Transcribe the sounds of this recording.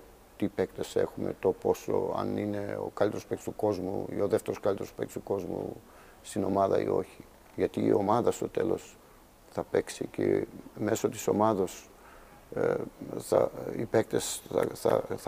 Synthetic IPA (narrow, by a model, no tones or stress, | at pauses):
t̪ipe̞kt̪e̞se̞̰xume̞̰t̪o̞po̞so̞̰ɐ̰nineo̞̰kɐlit̪eɾospekt̪st̪uko̞zmuio̞ðeft̪eɾoskɐlit̪eɾospekt̪st̪u̥ko̞zmṵ | st̪ino̞mɐðɐ̰ḭo̞̰çi | ʝɐt̪iːo̞mɐðɐst̪o̞t̪e̞lo̞s | θɐpe̞ksiceme̞so̞t̪i̥so̞mɐðos | θɐipek̚t̪e̞sɐθɐ